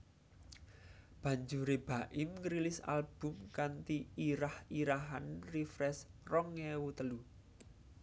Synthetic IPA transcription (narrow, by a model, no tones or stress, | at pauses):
b̥ä̤ɲd͡ʒuɾeb̥ä̤ʔɪmŋɾilɪsa̰lb̥ʊ̤mkant̪iiɾahiɾaɦanrifɾɛsrɔŋewut̪əlu